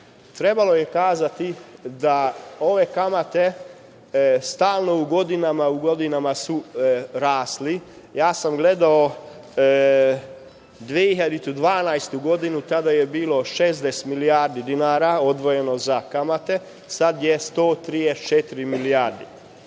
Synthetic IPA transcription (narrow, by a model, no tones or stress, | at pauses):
t̪ɾe̞balo̞jekaːzat̪id̪ao̞ʋe̞kamat̪e̞ | st̪aːlˠno̞uɡo̞d̪inamauɡo̞d̪inamasuɾaːsli | jaːsamɡle̞d̪ao | d̪ʋieiçad̪it̪ud̪ʋaːnajst̪uɡo̞d̪inut̪ad̪ajebiːlo̞ʃezd̪est̪milijaːɾd̪id̪inaːɾao̞d̪ʋo̞je̞no̞zakamat̪e̞ | sad̪jest̪oːt̪ɾijet͡ʃet̪iɾimilijaːɾd̪i